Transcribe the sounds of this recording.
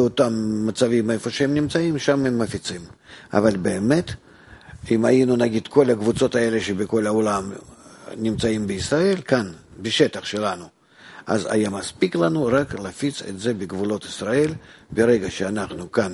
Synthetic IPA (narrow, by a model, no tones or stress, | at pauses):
ot̪amːɐt̪savʲimefoʃeɛmnʲimt͡saimʃamɛmːəfʲit̪sima̰valʲbeːmet̪ | imajinunaɡʲid̪̥ko̞lʲɐɡvut̪t͡s̪o̞t̪ae̞lʲeʃebʲɪko̞lʲaolam | nʲɪmt͡saimbɪːsrae̞lʲkanbʲɪʃet̪ɐχʃelanu | a̰za̰jamaspʲiklˠanuraklafʲit̪sḛt̪zebʲɪɡvulo̞t̪ɪ̥srae̞lʲbʲɪɾeɡɐʃeanaχnukan